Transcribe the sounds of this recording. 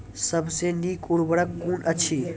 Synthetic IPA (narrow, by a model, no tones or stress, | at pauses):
səbʱsenikuɽbəɽəkːunət͡ʃʰi